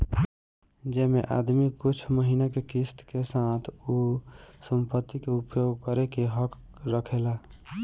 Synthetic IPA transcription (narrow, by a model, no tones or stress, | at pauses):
d͡ʒɛmeʔa̰d̪mikut͡ʃʰməɦinakekist̪kesat̪ʰusəmpət̪ːikeupjoɡkəɾekeɦək | ɾəkʰela